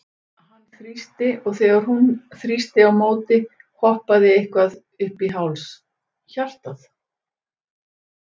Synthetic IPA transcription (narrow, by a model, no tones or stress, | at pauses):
hanːθɾist̪ɪɔɣθɛːɣaɾ̥ɦunθɾist̪ɪawmoːwt̪ɪ | hʰɔhpaðɪehkvað | ʏhpiɦawls | çar̥t̪aθ